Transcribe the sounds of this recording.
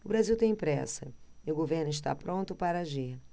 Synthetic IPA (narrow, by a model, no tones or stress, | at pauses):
ʊbɾaziwt̪ẽj̃pɾɛ̰sɐɪʊɡoveɾnʊɪʃ̬t̪a̰pɾõnt̪ʊpaɾaʒiɾ